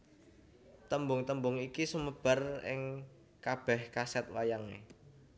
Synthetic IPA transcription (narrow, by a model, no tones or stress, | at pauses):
t̪əmbʊŋt̪əmbʊŋikisuməb̥a̤rɪ̰ŋ | kab̥ɛhkasɛt̪̚wajaŋḛ